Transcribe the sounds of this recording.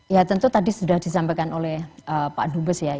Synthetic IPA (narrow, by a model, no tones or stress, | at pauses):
jat̪ənt̪ut̪adisudahdisampakanolɛhəpa̰dubəsja